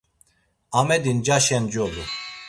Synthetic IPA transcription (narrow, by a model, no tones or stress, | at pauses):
amɛd̪ind͡ʒaʃɛnd͡ʒolu